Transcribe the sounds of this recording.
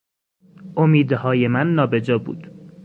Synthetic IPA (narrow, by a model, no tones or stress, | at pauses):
ʔomiːd̪hɒːje̞mænːɒːbe̞d͡ʒɒːbṵːd̪̥